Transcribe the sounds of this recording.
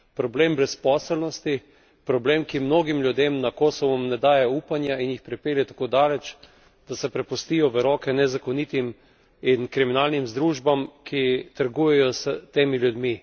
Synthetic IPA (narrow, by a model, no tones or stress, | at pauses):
pɾɔbleːmbɾɛspɔːsəlnɔst̪i | pɾɔbleːmkimnoːɡimlʲjud̪eːmnakoːsɔʋɔmnɛd̪aːjɛupanjainjixpɾɛpeːljɛt̪ḁkoːd̪aːlɛt͡ʃ | d̪̥asɛpɾɛpust̪iːjɔʋəɾɔːkɛnɛzakɔnit̪im | inkɾiminaːlnimzd̪ɾuʒbamkʰit̪əɾɡujɛjɔsət̪eːmiljud̪mi